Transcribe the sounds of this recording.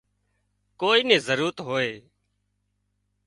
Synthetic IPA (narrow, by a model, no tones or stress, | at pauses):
koːiːnẽːzəɾuːɾət̪ɦoːeː